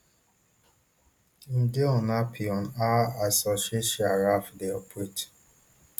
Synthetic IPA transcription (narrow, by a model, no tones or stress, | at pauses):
n̩deɔ̃napʰiɔ̃naasɔʃeʃiaɹafdeɔpʰɹet